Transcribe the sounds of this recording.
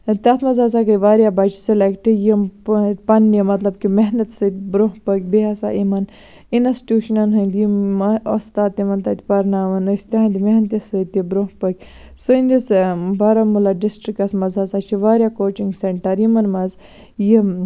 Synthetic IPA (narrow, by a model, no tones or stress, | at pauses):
t̪ʲat̪ʰmɐzazakɐjʋaːɾjabat͡ʃʰi̥selekʈijimpɐnːimɐt̪lɐbkimeɦnɐt̪sɨt̪ʲbɾoɦpək̚ʲbiɦasa̰ʔimɐn | inɐsʈjuːʃunɐnɦɐnd̪iɐost̪aːt̪imɐnt̪ɐt̪ʲi̥pɐɾnaːʋɐnɨsʲt̪iãnd̪imeɦnt̪jisɨt̪ibɾoɦpəkʲ | sɨinʲd̪isbɐɾɐmulaɖisʈɾik̚ɐsmɐzazat͡ʃʰiʋaːɾjakoːt͡ʃiŋɡseɳʈɐɾimɐnmɐz | ji